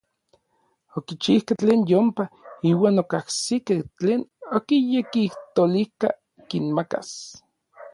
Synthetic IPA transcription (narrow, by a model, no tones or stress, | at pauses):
okit͡ʃihkat͡ɬeːnjompaiːwaːnokahsikeht͡ɬeːnokijekiht̪olika̰ | kinmaka̰s